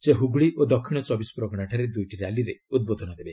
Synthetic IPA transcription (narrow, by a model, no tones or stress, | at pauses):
seɦuɡɭiʔod̪ɔkʰːiɽ̃ɔt͡ʃɔbisɔ̥pɾɔɡɔɽ̃aʈʰaɾed̪ujʈiɾaliɾeud̪̚bod̪ʱɔnɔd̪ebe